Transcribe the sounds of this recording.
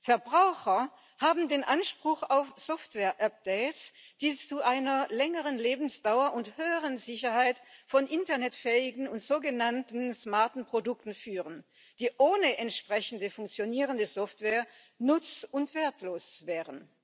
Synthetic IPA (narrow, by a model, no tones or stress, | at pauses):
fɛɐbʁaʊxɐ | haːbm̩deːnʔanʃpʁ̥ʊxaʊfz̥ɔftv̥ɛːɐʔap̚d̥ɛɪtsd̥iːt͡suʔaɪnɐlɛŋəʁənleːbm̩sd̥aʊɐʔʊnthøːəʁənzɪçɐhaɪtfɔnʔɪntɐnɛtfɛːɪɡŋ̩ʊntz̥oːɡənantn̩smaɐtn̩pʁ̥odʊk̚tn̩fyːʁən | d̥iːʔoːnəʔɛntʃpʁ̥ɛçn̩dəfʊŋkt͡sjoniːʁəndəzɔftv̥ɛːɐ | nʊt͡sʊntv̥eːɐtʰloːsv̥ɛːʁən